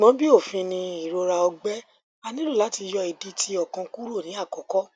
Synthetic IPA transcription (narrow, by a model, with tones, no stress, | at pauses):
ɡ͡bɔ̃˨˦bi˦o˦˨fĩ˧nĩ˧i˨ɾo˧ɾa˧ɔ˧ɡ͡bɛ˦ | a˧nĩ˦lu˦˨la˨˦ti˧jɔ˧i˨di˦tʰi˧ɔ˨kã˧ku˦ɾo˦˨nĩ˨˦a˦˨kɔ˨kɔ˦